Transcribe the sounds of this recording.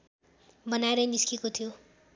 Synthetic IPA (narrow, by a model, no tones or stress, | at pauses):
bʌnaeɾʌjniskikot̪ʰijo